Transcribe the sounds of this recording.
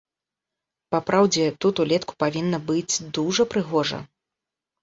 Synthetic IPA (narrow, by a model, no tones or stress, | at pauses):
papɾawd͡zʲɛt̪ut̪ulʲɛt̪ku̥pavʲinːɐbɨd͡zʲd̪uʐɐpɾɨɣɔʐɐ̰